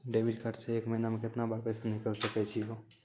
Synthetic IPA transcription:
ɖeːbiɖkəʈseeːkməɦɪnamẽkɪt̪nabəɾpɛsanɪkəlsəkɛt͡ʃʰiɦoː

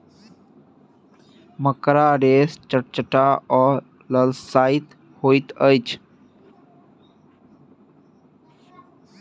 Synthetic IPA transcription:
məkɾaːɾeːst͡ʃəʈ̚t͡ʃəʈaːɔː | ləlsaːit̪ | hoːit̪əjt͡ʃʰ

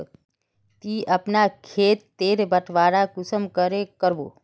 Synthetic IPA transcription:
t̪iɐpnakʰeːt̪ːeːɾebəʈʰʋaːɽakʊsəmkəɾekəɾbo̰ː

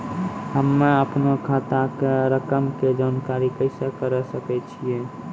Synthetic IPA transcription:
həmːeəpnokʰat̪akeɾəkəmked͡ʒankaɾikəɪsekəɾəsəkɛt͡ʃʰije

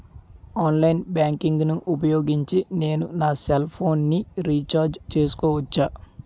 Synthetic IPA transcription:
aːnlɐjnbjaːŋkiŋɡnuʔup̬ɐjo̞ːɡiɲt͡ʃine̞ːnunaːselpʰo̞ːnːiɾiːt͡ʃaːɾd͡ʒt͡ʃe̞ːsu̥kɔːʋɐt͡ʃːaː

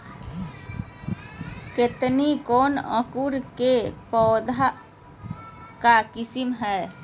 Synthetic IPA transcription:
ket̪nikɔːnə̰kuɾkepɔːd̪ʱa | kakɪsɪmɦɛː

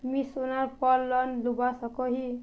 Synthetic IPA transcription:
misunaɾpɔlːɔnlubasɔkɔɦi

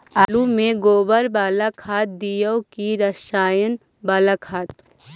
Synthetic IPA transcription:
alumẽɡoːbəɾbaːlakʰaːt̪̚d̪ijəwkiɾəʃaːjən | baːlakʰaːt̪

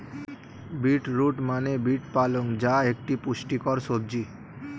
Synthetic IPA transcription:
biʈɾuʈmanebiʈpaloŋd͡ʑaek̚ʈipuʃʈikɔɾʃodd͡ʑi

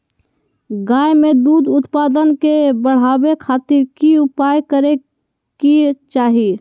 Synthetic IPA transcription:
ɡaːjmẽd̪uːd̪ʊt̪paːd̪ənkebəɽ̤aːwekʰaːt̪ɪɾkiʊpaːjkəɾe | kit͡ʃaːɦ

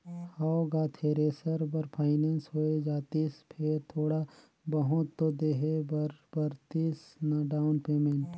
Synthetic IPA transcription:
haoɡaːt̪ʰeɾeːsəɾbɐɾpʰaːɪneːnsɦoed͡ʒaːt̪ispʰeɾt̪ʰoːɽa | bɐɦʊt̪ːod̪eːɦebɐɾbɐɾt̪isnaɖaːʊnpeːmẽɳʈ

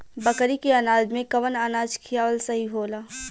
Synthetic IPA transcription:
bɐkɾikeaːnaːd̪mẽkɐʋənaːnaːd͡ʒkʰijaːʋəlsɐɦiɦoːlaː

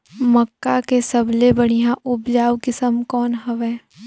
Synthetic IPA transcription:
məkːakesəblebɐɽ̃ijãʔʊbd͡ʒaːʋkɪsəmkɔːnɦɐʋɛː

